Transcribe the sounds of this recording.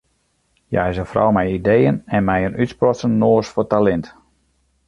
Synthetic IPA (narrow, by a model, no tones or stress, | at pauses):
ja̰jzəfrɔ̰wmɛjidejənɛnmɛjənytsprɔsənːoːsfɔtalɛnt